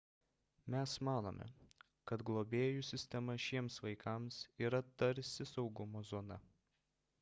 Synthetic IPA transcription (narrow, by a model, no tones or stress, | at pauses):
mʲɛsmɑːno̰mʲʔʲɛ̰ | kɐt̪ɡlˠoːbʲeːjuːsʲɪsʲt̪ʲɛmɐʃʲiɛmsʋɐɪkɐˑmsiːɾɐt̪ɐɾʲsʲɪsɒʊɡʊmoːzɔːnɐ̰